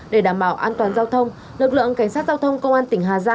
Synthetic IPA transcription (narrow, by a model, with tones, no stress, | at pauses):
ɗe˧˩ɗaː˧˩mɓaː˧˩wʔaː˧nt̪waː˨˩nzaː˧wt̪ʰə˧wŋ͡m | lɨ˨˩k̚lɨ̰˧˨ə˨ŋka˧˩jŋ̟saː˦˥t̚zaː˧wt̪ʰə˧wŋ͡mkə˧wŋ͡mʔaː˧nt̪ï˧˩ŋ̟ɦaː˨˩zaː˧